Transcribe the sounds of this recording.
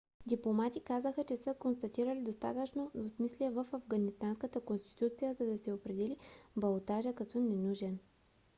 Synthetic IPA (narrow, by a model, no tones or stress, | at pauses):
d̪iplˠomat̪ikazəxət͡ʃɛsəkonst̪ɐt̪iɾəlid̪ost̪a̰t̪ət͡ʃnoosmisliɛvəfɐvɡɐnist̪anskət̪əkonst̪i̥t̪ut̪sijəzɐd̪ɐsɛopɾɛd̪ɛlibɐlˠot̪aʒəkɐt̪ɔnɛnuʒɛn